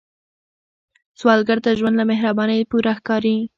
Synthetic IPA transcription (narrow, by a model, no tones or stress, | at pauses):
swɑlɡaɾt̪aʒwand̪lameɦɾabɑnəjpuɾaxkɑɾi